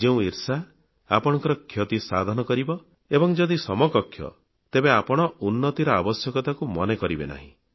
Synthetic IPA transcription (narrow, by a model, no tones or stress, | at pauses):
d͡ʒeũiɾsa | apɔɽ̃ɔ̃ŋkɔɾɔkʰjɔt̪isad̪ʱɔnɔkɔɾibɔ | ebɔŋd͡ʒɔd̪isɔmɔkɔkʰːjɔ̰ | t̪ebeapɔɽ̃ɔunːɔt̪iɾɔabɔsjɔkɔt̪akumɔnekɔɾibḛna̰ɦḭ̃